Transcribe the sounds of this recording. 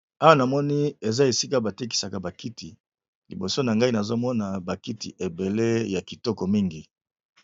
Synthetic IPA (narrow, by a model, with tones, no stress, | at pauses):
a˦wa˦na˨mɔ˦ni˦e˨za˦e˨si˦ka˦ba˨te˦k̬i̥˨sa˨ka˨ba˨ki˦tʰi˨ | lḭ˨bo˨so˦na˨ŋɡa˦i˦na˨zo˦mɔ˦na˨ba˨ki˦ti˨ʔe˨be˨le˦ja˨ki˨tɔ˦kɔ˨mi˦ŋɡi˨